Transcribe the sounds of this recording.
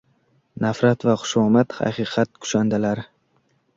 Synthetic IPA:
nafɾat̪vaχʊ̥ʃɒmat̪ha̰qʰɨːqʰɑt̪̚kʰʊ̥ʃand̪alaɾɪ

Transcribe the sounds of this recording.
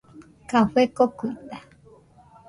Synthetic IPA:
kaɸekokuit̪a

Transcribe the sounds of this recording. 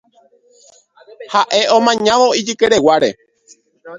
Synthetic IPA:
haʔe̞õ̞mãɲãʋo̞id͡ʒɨkeɾe̞waɾe̞̰

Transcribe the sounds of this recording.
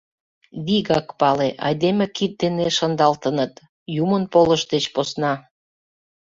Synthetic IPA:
βiɣɑkpɑleʔɑ̰jd̪emʲekit̪̚d̪eneʃənd̪ɑlt̪ənət̪ | jumənpoləʃd̪et͡ɕposnɑ

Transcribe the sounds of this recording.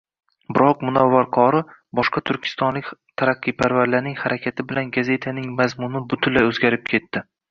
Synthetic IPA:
bɪɾɒq̚mʊnɒvːaɾqʰɒɾɪbɒʃqɑt̪ʰʊɾkʲʰɪ̥st̪ɒnlɪkʲt̪ʰaɾaqːɨjpʰaɾvaɾlaɾnɪŋhaɾʔakʲʰat̪ʰɪbɪlanɡaze̞t̪ʰanɪŋmazmʊnɪbʊt̪ʰʊlːajɵzɡʲaɾɪp̚kʲʰe̞t̪ːɪ

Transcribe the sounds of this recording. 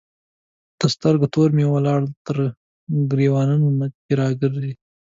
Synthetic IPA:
d̪̥əst̪əɾɡat̪oɾmewalɑɽt̪əɾ | ɡɾewɑnanonaeɾɑɡəɾdi

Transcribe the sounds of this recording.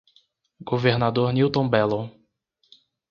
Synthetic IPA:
ɡoveɾnad̪oɾniwt̪õbɛlõ

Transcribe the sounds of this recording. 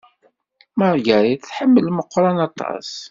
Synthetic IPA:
məɾˤɡæɾiθθħəmːəlməqʷːɾˤɑnɑt̪ʰˤːɑ̰s

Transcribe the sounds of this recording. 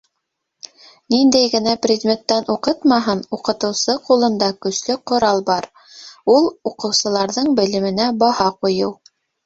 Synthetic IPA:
nind̪æjɡɘ̆næprʲɪd̪ʲmʲet̪ːænuqɤt̪mɑɦɤnuqɤ̆t̪ɤ̆wsɤqulˠɤ̆nd̪ɑkɵ̆slɘqŏɾɑlˠbɑɾ | ulˠuqɤ̆wsɤ̆lˠɑɾðɤɴbɘ̆lɘ̆mɘ̆næbɑhɑqujɤw

